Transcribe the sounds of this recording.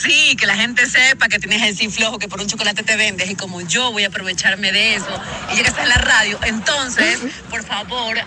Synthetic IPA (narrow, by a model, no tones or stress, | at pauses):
sike̞laxe̞nt̪e̞se̞pak̬e̞t̪jeneselsifloxoke̞p̬oɾuɲt͡ʃoko̞lat̪e̞t̪e̞βe̞nd̪esiko̞mo̞ʝo̞βo̞japɾo̞βe̞t͡ʃaɾme̞ðeeso̞iʝeɣest̪aelaraðjo̞ʔe̞nt̪o̞nsespo̞ɾfaβo̞ɾ